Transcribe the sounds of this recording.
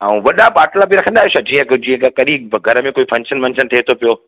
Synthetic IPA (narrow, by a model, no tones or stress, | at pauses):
aːũʋɐɗapaːʈlabiɾɐkʰə̃ndaːɦesad͡ʑĩːɦə̃kd͡ʑĩːə̃kakɐɗiɡʱɐɾəmẽkoːifʰɐ̃nʃənmɐ̃ɲt͡ɕʰənt̪ʰiːt̪ʰopijoː